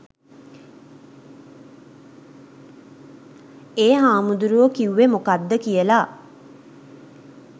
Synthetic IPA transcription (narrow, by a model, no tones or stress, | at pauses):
eːɦaːmud̪uɾuʋəkiuʋemokad̪ːəkijəla